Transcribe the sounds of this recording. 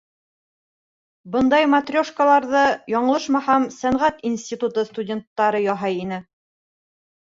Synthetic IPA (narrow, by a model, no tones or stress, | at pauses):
bɤnd̪ɑjmat̪rʲoʃkəlˠɑɾðɤjɒɴɤ̆lˠɤʃmɑhɑmsæɴʁæt̪insʲt̪ʲit̪ut̪ɤst̪udʲe̞nt̪ːɑɾɤjɒɦɑjinɘ